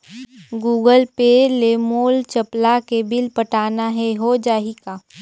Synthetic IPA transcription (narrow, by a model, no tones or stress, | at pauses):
ɡuːɡəlpeːlemoːlt͡ʃəplakebɪlpəʈaːnaɦɛɦod͡ʒaːɦikaː